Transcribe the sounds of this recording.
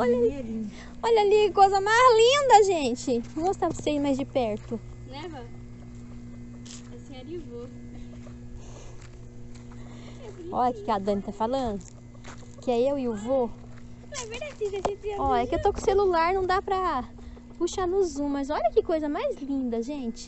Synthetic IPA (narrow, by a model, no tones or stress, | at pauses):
ɔʎɐ | ɔʎɐlikojzɐmajzlĩnd̪ɐʒẽt͡ʃɪ̃ost̪apɐseimajzd͡ʒɪpɛɾt̪ʊ | nɛɦɔ | ɛsĩoɾiuvo | ɔʎɐkɪkɪad̪ɐ̃nɪt̪afalɐ̃nd̪ʊ | kɪɛewiʊvo | ved̪ad͡ʒizɐʒẽiɐɔɛkɪewt̪okõselulaɾnɐ̃w̃d̪apɾɐ | puʃanʊzũmɐzɔʎɐkɪkojzɐmajzlĩd̪ɐʒẽt͡ʃɪ̥